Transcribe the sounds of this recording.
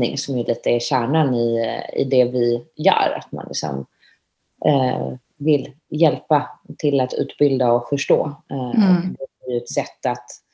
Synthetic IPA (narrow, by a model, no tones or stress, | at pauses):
ɪŋsɔmjɵliːt̪əæɕæːɳanɪɪ̰d̪ɛvɪjœ̰ːɾa̰t̪ma̰nlɪ̰ksɔ̰m | vɪl | jɛlpat̪ʰɪlːat̪ʉ̟̰ːt̪bɪld̪aɔfœʂʈo̰ː | d̪ɛæɾjɵɛt̪sɛt̪ːat̪